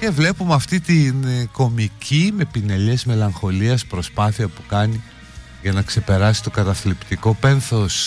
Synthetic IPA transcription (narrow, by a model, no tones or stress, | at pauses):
ce̞vle̞pumeɐft̪it̪inko̞micʰime̞pine̞ʎe̞zme̞lɐŋxo̞liɐspɾo̞spɐθiɐpu̥kɐni | ʝɐnɐkse̞pe̞ɾɐsi̥t̪o̞kɐt̪ɐθlipt̪iko̞pe̞nθo̞s